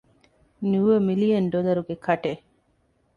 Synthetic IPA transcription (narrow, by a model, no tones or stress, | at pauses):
nuʋɐmilijɐnɖolɐɾuɡekʰɐʈe